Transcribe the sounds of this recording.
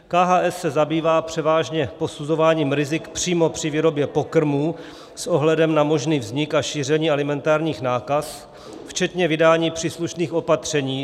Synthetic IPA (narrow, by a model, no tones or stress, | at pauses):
kaːɦaːʔɛsːɛzabiːvaːpr̝̥ɛvaːʒɲɛpo̞suzo̞vaːɲiːmɾɪzɪkpr̝̥iːmo̞pr̝̥ɪviːɾo̞bjɛpo̞kr̩muː | sʔo̞ɦlɛdɛmnamo̞ʒniːvzɲɪkaʃiːr̝ɛɲiːɛlɪmɛnt̪aːɾɲiːxnaːkas | ft͡ʃɛt̪ɲɛvɪdaːɲiːpr̥iːsluʃniːxo̞pat̪r̝̥ɛɲiː